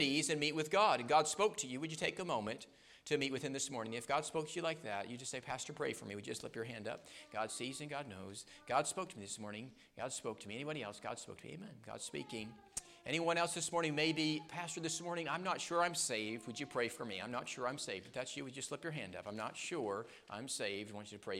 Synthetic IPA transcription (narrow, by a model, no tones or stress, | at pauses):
nizɨ̃nmit̚wɨðɡɑɾɨ̃nɡɑd̥spoʊk̚tʰɨjɨwɨd͡ʒɨtʰeɪkəmõʊ̃mɨ̃ntʰ | ɨmit̚wɨθɨ̃mðɪsmɔɹnɪ̃ŋ̃ɨfɡ̥ɑd̥spoʊk̚tʰɨjɨlaɪk̚ðætjɨd͡ʒʌstseɪpʰæstə˞pʰɹ̥eɪfə̰˞miwɨd͡ʒɨʌstˡlɪ̰pjə˞ɦæ̃ndʌ̰p̚ɡ̥ɑd̥sizɨ̃nɡɑdⁿno̰ʊz̥ | ɡ̥ɑd̥spoʊk̚tʰəmiðɪsmɔɹnɪ̃ŋ | ɡ̥ɑd̥spoʊk̚tʰɨmiɛnibɑɾiɛlˠsɡ̥ɑ̰d̥spo̰ʊktʰmḭḛɪmɛ̃nɡɑ̰d̥spḭkɪ̃ŋ | ʔɛ̰ɾ̃iwʌ̃ñɛlˠsðɪsmɔɹñɪ̃ŋmeɪbipʰæstə˞ðɪsmɔɹnɪ̃ŋãɪ̃mnətʃʊɹãɪ̃mseɪvd̚wɨd͡ʒɨpʰɹ̥eɪfə˞miã̰ɪ̃mnətʃʊɹãɪ̃mseɪvdbʌt̪ðætsjɨwɨd͡ʒʌstˡlɪpjə˞ɦæ̃ndʌ̰pãɪ̃mnətʃʊɹ | ʔã̰ɪ̃mseɪvd̚wɑ̃nt͡ʃɨɾɨpʰɹ̥eɪ